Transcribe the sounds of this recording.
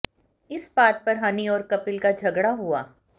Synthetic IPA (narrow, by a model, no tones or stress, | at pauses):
ɪsbaːt̪̚pɐɾɦaːniɔːɾkɐpɪlkad͡ʒʱɐɡɽaɦua̰ː